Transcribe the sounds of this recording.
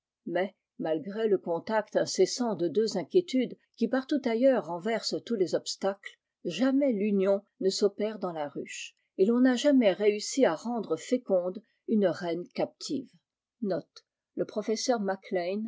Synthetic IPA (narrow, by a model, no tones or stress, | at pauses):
mɛ | malɡʁeləkɔ̃t̪akt̪ɛ̃sɛsɑ̃d̪əd̪øzɛ̃kʲjet̪yd̪ | kʲipaʁt̪ut̪ajœʁːɑ̃vɛʁst̪ulezɔpst̪akl | ʒamɛlynjɔ̃ | nəsɔpɛʁd̪ɑ̃laʁyʃ | elɔ̃naʒamɛʁeysiaʁɑ̃d̪ʁəfekɔ̃d̪ | ynʁɛnkap̚t̪ʰiv | nɔt̪ | ləpχɔfɛsœʁmaklɛjn